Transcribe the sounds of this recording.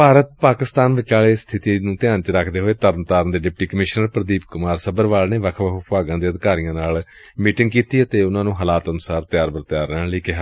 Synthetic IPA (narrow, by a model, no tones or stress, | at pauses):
paːɾət̪̚paːkɪst̪aːnʋɪt͡ʃaːleːst̪ʰɪt̪iːnũːt̪ɪjãːnt͡ʃɾəkʰd̪eːɦoːeːt̪əɾənt̪aːɾənd̪eːɖɪp̚ʈiːkəmɪʃnəɾpɾəd̪iːpkʊmaːɾsəbəɾʋaːlneːʋəkʰʋəkʰpaːɡãːd̪eːəd̪kaːɾijãːnaːl | miːʈɪŋɡkiːt̪iːət̪eːʊnãːnũːɦəlaːt̪ənʊsaːɾt̪ɪjaːɾbəɾt̪jaːɾːɛliːkeɦ